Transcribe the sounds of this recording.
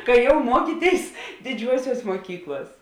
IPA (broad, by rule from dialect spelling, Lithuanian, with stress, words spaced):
kɐɪ jɛʊ ˈmuɔkʲiːˌtʲeːɪs dʲɪˈd͡ʒʲuɔsʲuɔs muɔˈkʲiːklˠuɔs